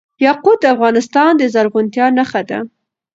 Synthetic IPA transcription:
jɑqud̪̚d̪əafɣɑnɪst̪ɑnd̪əzaɾɣʊnt̪jɑnaxad̪a̰

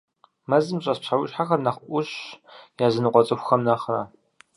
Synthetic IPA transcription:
mɐzɨmɕʼɐspɕʰawʊɕħaxɐrnɐχʔʷʊɕjaːzɨnɨqʷɔt͡sʼɨxʷxɐmnaːχraː

